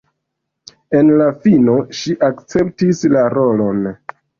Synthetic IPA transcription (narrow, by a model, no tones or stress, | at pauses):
e̞nlafino̞ʃiʔakt͡se̞ptislaɾo̞lo̞n